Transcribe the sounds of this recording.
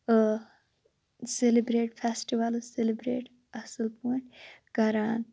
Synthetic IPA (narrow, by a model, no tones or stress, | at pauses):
selibɾeːʈfʰesʈiʋaloselibɾḛːʈ | ɐsəlpuʈɡɐɾaːn